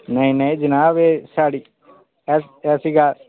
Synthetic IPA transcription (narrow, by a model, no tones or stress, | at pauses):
nəĩnəĩd͡ʒɪnaːʋesaːɽiː | ɛɛːsiːɡaː